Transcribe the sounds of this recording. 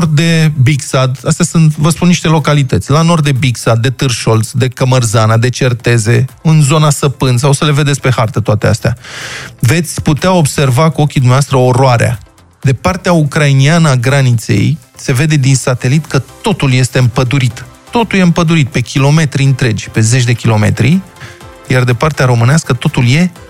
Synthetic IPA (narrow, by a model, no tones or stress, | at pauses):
rd̪̚d̪e̞biksad̪ast̪easɨnt̪vəspunnːiʃt̪e̞lo̞kalit̪ət̪sʲlano̞rd̪d̪e̞biksad̪̚ːe̞t̪ɨrʃo̞lt̪sd̪e̞kəmərzanad̪e̞t͡ʃe̞rt̪e̞ze̞ɨnzo̞nasəpɨns̬awsəle̞ved̪esʲpe̞hart̪ət̪oat̪e̞a̰st̪ea̰ve̞t̪sʲput̪eao̞bse̞rvakuo̞kʲid̪umnevast̪ɾəoɾoaɾea̰ | d̪epart̪eaukɾainianəaɡɾanit̪se̞̰j | se̞ve̞d̪e̞d̪insat̪e̞lit̪kət̪o̞t̪ulje̞st̪e̞ɨmpəd̪uɾit̪ː | o̞t̪uljeɨmpəd̪uɾit̪̚pe̞kʲilo̞me̞t̪ɾiɨnt̪ɾe̞d͡ʒʲpe̞zet͡ʃʲd̪e̞kʲilo̞me̞̰t̪ɾi | jard̪epart̪eaɾo̞mɨneaskət̪o̞t̪ulje̞